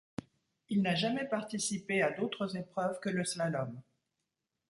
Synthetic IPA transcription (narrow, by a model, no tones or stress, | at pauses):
ilnaʒamɛpaʁt̪isipead̪ot̪χəzepχœvkələslalɔm